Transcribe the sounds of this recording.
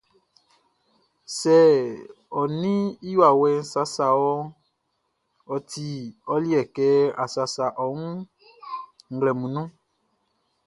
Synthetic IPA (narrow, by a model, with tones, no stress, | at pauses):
sɛ˦˨ | ɔ˨nĩ˦i˦jwa˨wɛ˦n̩˦sa˦sa˨wɔ˦ | ɔ˨ti˨ɔ˦li˦ɛ˨kɛ˦a˨sa˨sa˨ʔɔ˨ŋũ˦ | ŋ̩˦˨ɡlɛ˨mũ˨nũ˦